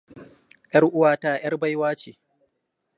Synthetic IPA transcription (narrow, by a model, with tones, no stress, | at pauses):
ʔj̰ɐ˦rʔʊ˦waː˨taː˦˨j̰ɐ˦rba˦jwaː˦t͡ʃeː˨